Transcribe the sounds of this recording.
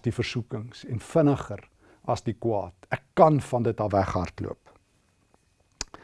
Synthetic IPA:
difərsukəŋsɛnfənəχər | ɐsdikwɑ̰ːtækːɐnfɐndət̚ɑvæχɦɐrtlṵəp

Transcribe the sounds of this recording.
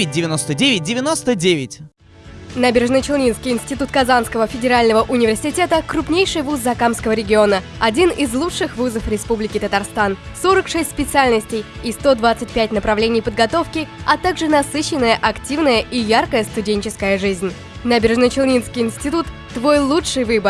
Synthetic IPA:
ɪt̚ʲdʲɪvʲɪnost̪ədʲevʲɪt̚ʲdʲɪvʲɪnost̪ədʲevʲɪtʲ | nabʲɪrʐnət͡ɕɪlˠnʲinskʲɪjɪnʲsʲtʲɪt̪ut̪kɐzanskəvəfʲɪdʲɪɾalʲnəvəʔʊnʲɪvʲɪrsʲɪtʲe̞t̪əkɾʊpnʲejʂɨjvuzːɐkamskəvəɾʲɪɡʲɪo̞nə | ɐdʲinɪzlˠut͡ʂʂɨxvuzəfɾʲɪspublʲɪkʲɪt̪ət̪arst̪an | so̞ɾəkʂɛsʲtʲsʲpʲɪt̪sɨalʲnəsʲtʲɪjist̪o̞d̪vat̪sɨt̚ʲpʲætʲnəpɾɐvlʲenʲɪjpəd̪̚ɡɐt̪o̞fkʲɪɐt̪aɡʐɨnɐsɨɕːɪnːəjəʔɐktʲivnəjəʔijarkəjəst̪ʊdʲenʲt͡ɕɪskəjəʐɨzʲnʲ | nabʲɪrʐnət͡ɕɪlˠnʲinskʲɪjɪnsʲtʲɪt̪ut̪ːvo̞jlˠutʂɨjvɨbər

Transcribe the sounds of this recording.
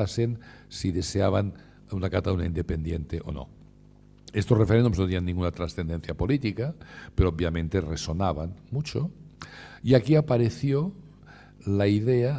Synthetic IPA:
asen | siðeseaβ̞an | unakat̪aunaind̪epend̪jent̪eʔo̰no̰ | est̪osrefeɾend̪umznot̪ianːiŋɡunat̪ɾasθend̪enθjapolit̪ikapeɾoob̚jamẽnt̪eresonaβanmut͡ʃo | iakiapaɾeθjo | laiðea

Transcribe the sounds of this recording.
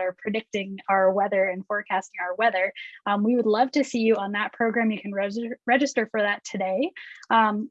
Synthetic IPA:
ə˞pʰɹ̥ɨdɪk̚tɪ̃ŋaʊə˞wɛðə˞ɨ̃nfɔɹkʰæstɪ̃ŋaʊə˞wɛðə̃˞mwiwədˡlʌv̥tɨsijɨə̃nðət̚pʰɹ̥oʊɡɹæ̃mjɨkʰɨ̃n̩ɹɛɹɛd͡ʒɨstə˞fə˞ðɨtʰɨdeɪ̃m

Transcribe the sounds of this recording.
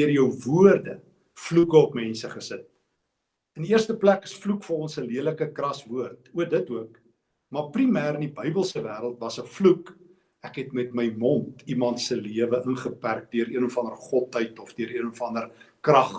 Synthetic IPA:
ərjəwvuərdə | flukəɔpmɛnsəχəsət̚ | əndiiərstəplækəsflukfəɾɔnsəliələkəkrɐsvuərtuədətuək | mɑprimæːɾənibœjbəlˠsəvæːɾəlˠtvɐsəfluk | ækɦɛtmɛtməjmɔntimɐntsəliəvəʔənχəpærk̚dyəɾiənɔfɐndərχɔtəjtɔfdøəɾiənɔfɐndərkrɐχ

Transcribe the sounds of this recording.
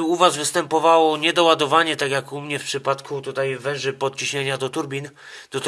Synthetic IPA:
uvazvɘst̪ɛmpɔvawɔɲɛd̪ɔwad̪ɔvaɲɛt̪akjakumɲɛfpʂɘpat̪kʰut̪ut̪ajvɛ̃ʐɘpɔt̪̚t͡ɕiɕɲeɲad̪ɔt̪uɾbʲin | d̪̥ɔt̪

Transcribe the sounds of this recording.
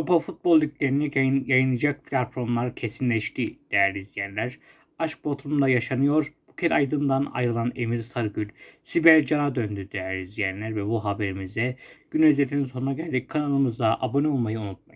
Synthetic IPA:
ɾopafut̪̚bo̞lˠːʲiclʲe̞ɾinɛjajɯnˠɯad͡ʒak̚pʰlʲat̪fo̞ɾmlˠaɾcʰesinlʲɛʃt̪ʰid̪̥ejæɾizjænlʲæɾ̥ | aʃk̚bo̞t̪ɾumd̪ajaʃanɯjo̞ɾb̥ucʰɛɾajd̪ɯnd̪ana̰jɾɯlˠane̞miɾt̪ʰaɾɟylʲsibæɾd͡ʒanad̪ønd̪yd̪ejæɾizjænlʲæɾvɛbuɦabe̞ɾimizd̪ɛɟ̥ynezɛt̪ʰːænso̞nunaɟælʲd̪ickʰːanalˠɯmɯzd̪aʔabo̞nɛo̞lˠmajɯunut̪̚ma

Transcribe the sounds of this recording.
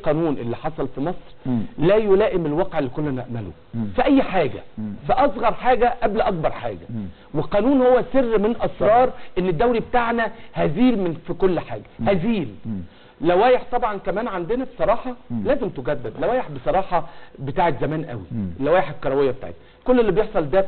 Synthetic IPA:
lqɑːnuːnʔelːiħɑsˤɑlfimɑsˤɾlæːjolæːʔemelwɑqʕelːikolːænæ̰ʔmælo̰ | fiʔæjːħaːɡæ̰fæʔɑsˤɣɑɾˤħaːɡæʔæblʔɑk̚bɑɾˤħa̰ːɡæ | weqɑːnuːnhowːæserːmenʔɑsɾˤɑːɾˤʔenːed̪ːæwlibet̪aʕnæhæziːlmnfikolːħa̰ːɡæhæziːl | læwæːjeħt̪ˤɑbʕɑnkæmæːnʕand̪enæbe̥sˤɑɾˤɑːħɑlæːzemt̪oɡæd̪ːed̪læwæːjeħbesˤɑɾˤɑːħɑbet̪aːʕek̪zæmæːnʔæ̰wielːæwæːjeħekːɑɾˤɑwejːæbet̪a̰ʕḛt̪n | kolːelːibjeħsˤɑld̪æ

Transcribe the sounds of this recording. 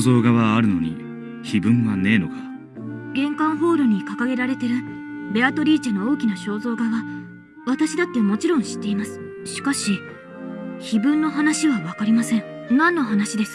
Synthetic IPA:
zo̞ːɡaβaːɾɯ̟no̞̰ɲ̟ḭ | çibɯ̟̃ɰβane̞ːno̞ka | ɡẽ̞ŋkãɰ̃ɦo̞ːɾoɲ̟ikakaɡe̞ɾaɾe̞t̪e̞ɾɯ̟bʲe̞at̪o̞ɾʲiːt͡ɕano̞oːkʲinaɕo̞ːzo̞ːɡaβa | βat̪aɕid̪at̪ːe̞mo̞t͡ɕiɾõ̞ɰ̃ɕi̥t̪ːe̞imasɨ̥ɕi̥kaɕi | çibɯ̟̃nːo̞ɦanaɕiβaβakaɾʲimasẽ̞ɴnãnːo̞ɦanaɕid̪e̞sɨ̥

